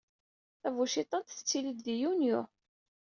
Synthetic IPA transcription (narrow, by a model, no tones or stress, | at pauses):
θævuʃit̪ˤːɑnt̪θət͡sːiləd̪ðijunjʊ